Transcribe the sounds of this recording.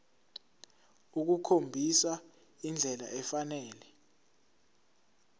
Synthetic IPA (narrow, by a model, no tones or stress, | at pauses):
uk̬ukʰombʱisa | ind͡ɮʱɛla̰ʔɛfanɛːlɛ